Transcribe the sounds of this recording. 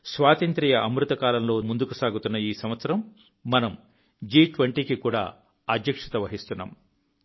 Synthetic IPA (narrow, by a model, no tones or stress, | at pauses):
sʋaːt̪ɐnt̪ɾijɐʔɐmɾut̪ɐkaːlɐmlo̞ːmund̪ukusaːɡut̪unːɐjiːsɐmʋɐt̪sɐɾɐmː | ɐnɐm | d͡ʒiːʈʋɐɳʈiːkikuːɽa̰ː | ɐd̪jɐkʂɐ̥t̪ɐʋɐɦist̪unːa̰ːm